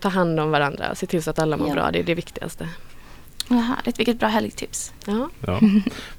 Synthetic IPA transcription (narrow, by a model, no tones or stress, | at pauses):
t̪ʰɑːɦand̪ɔmvaɾand̪ɾa̰ɔ̰seːt̪ʰɪlsat̪alːamʊ̰bɾɑ̰ːd̪ɛd̪ɛvɪkt̪ɪɡa̰st̪ə | ɦæ̰ːɭɪt̪vɪkːət̪̚bɾɑːɦɛlɡt̪ʰɪps | ɑː